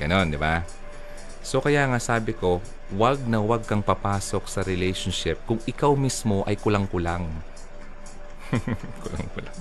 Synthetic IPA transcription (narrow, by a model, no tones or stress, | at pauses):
ɡ̥ɐno̞nd̪ɪba | so̞kɐjaʔŋaʔsaːbɪko̞ | wɐɡ̚nɐwɐɡ̚kɐŋpɐpaːso̞k̚sɐɾɪlɛjʃonʃɪp̚kʊŋʔɪkawmismo̞ʔɐjkʊlɐŋkʊlaŋ | kʊla̰ŋkʊlaŋ